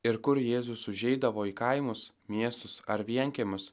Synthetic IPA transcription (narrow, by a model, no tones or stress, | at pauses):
ɪɾkʊɾjeːzʊsʊʒʲɛɪd̪ɐʋoːiːkɐɪmʊs | mʲiɛst̪ʊsɐɾʋʲiɛŋʲkʲemʲʊs